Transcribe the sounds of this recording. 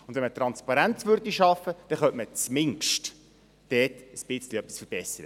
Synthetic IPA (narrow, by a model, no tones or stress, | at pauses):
ʊndvɛnmət̪rɑnspɑɾænt͡sʋʏrdiʃɑfːəd̥ɛχœnʔmət͡smɪŋkʃt | d̥ɛːtəsb̥ɪt͡sliœpi̥sfəɾb̥ɛsːəɾə